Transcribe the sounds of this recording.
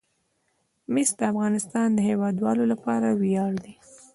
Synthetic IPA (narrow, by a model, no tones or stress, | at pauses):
mɪsd̪əafɣɑnɪst̪ɑnd̪əhewɑd̪wɑlolapɑɾawijɑɽd̪i